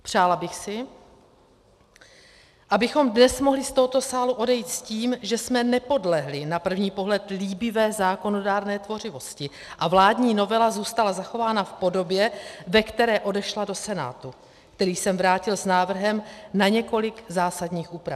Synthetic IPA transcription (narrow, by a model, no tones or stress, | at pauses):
pr̝̥aːlabɪxsɪ | ʔabɪxo̞mdnɛsmo̞ɦlɪst̪oɦot̪o̞saːluʔo̞dɛjit̪sciːmʒɛsmɛnɛpo̞dlɛɦlɪnapr̩vɲiːpo̞ɦlɛt̪liːbɪvɛːzaːko̞no̞daːɾnɛːt̪vo̞r̝ɪvo̞scɪ | ʔavlaːdɲiːno̞vɛlazuːst̪alazaxo̞vaːnafpo̞do̞bjɛvɛkt̪ɛɾɛːʔo̞dɛʃlado̞sɛna̰ːt̪u | kt̪ɛɾiːsɛmvɾaːcɪlsnaːvr̩ɦɛmnaɲɛko̞lɪkzaːsadɲiːxʔuːpɾaf